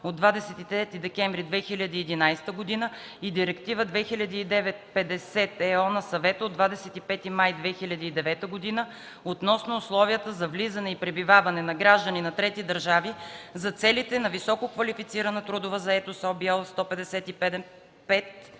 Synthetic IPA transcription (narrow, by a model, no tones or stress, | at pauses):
od̪vad̪ɛsɛt̪it̪ɾɛt̪id̪ɛkɛɱvɾid̪vɛxilʲɐd̪iːd̪inajst̪əɡod̪inə | id̪iɾɛkt̪ivəd̪vɛxilʲɐd̪iːd̪ɛvɛt̪̚pɛd̪ɛsɛt̪ɛɔnɐsɐvɛt̪əod̪vad̪ɛsɛt̪ipɛt̪imajd̪vɛxilʲɐd̪iːd̪ɛvɛt̪əɡod̪inə | ot̪nɔsnʊʊslˠɔviət̪əzɐvlizɐnɛipɾɛbivavɐnɛnɐɡɾaʒd̪əninɐt̪ɾɛt̪id̪ɐɾʒavizɐt̪sɛlit̪ɛnɐvisɔkokvɐlifit̪siɾɐnət̪ɾud̪ʊvəzɐɛt̪osɔbiɛlˠst̪ɔpɛd̪ɛsɛt̪ipɛd̪ɛ | pɛt̪